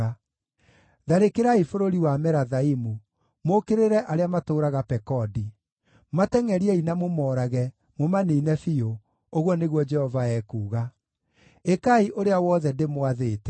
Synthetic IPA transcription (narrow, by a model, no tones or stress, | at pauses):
a | ðaɾekeɾaifoɾoɾiwamɛɾaðaimu | mokeɾeɾɛʔaɾeamatoːɾaɣapɛkɔdi | matɛŋɛɾiɛinamomɔːɾaɣɛ | momaneinɛfio | oɣwɔneɣwɔd͡ʒɛhɔvaɛkuːɣa | ekaiʔoɾeawɔðɛndemwaðeːtɛ